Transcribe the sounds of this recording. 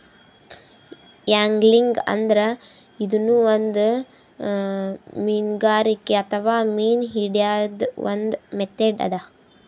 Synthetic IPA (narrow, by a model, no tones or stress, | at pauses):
jaːŋɡliŋɡɐ̰nd̪ɐɾɐ | id̪unuʋond̪ | miːnɡaːɾikːeɐt̪ʰɐʋaːmiːnɦiɖijad̪ʋo̰nd̪met̪eːɖɐ̰d̪ɐ